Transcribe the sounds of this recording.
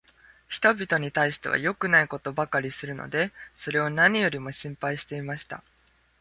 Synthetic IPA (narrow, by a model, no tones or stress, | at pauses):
çi̥t̪o̞bʲit̪o̞ɲ̟it̪aiɕi̥t̪e̞β̞a̰jo̞kɯ̟naiko̞t̪o̞bakaɾʲisɨɾɯ̟no̞̰d̪e̞so̞ɾe̞o̞naɲ̟ijo̞ɾʲimo̞ɕĩmpaiɕi̥t̪e̞imaɕi̥t̪a̰